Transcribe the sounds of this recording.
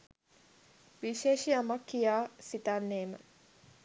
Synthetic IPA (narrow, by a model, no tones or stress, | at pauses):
ʋiʃeːʃijamakːijaːsit̪anːeːmə̰